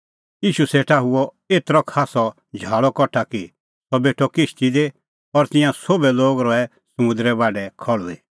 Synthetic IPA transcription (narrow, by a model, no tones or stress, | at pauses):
jiːʃuseːʈʰaɦʊɔ | eːt̪ɾɔkʰaːsɔ | d͡ʒʱaːɭɔkɔʈʰaki | sɔbeːʈʰɔkɪʃt̪id̪e | ɔɾt̪ɪ̃jãsobɛloːɡɾɔɛ | sɐmʊ̃nd̪ɾɛbaːɖɛkʰɔɭue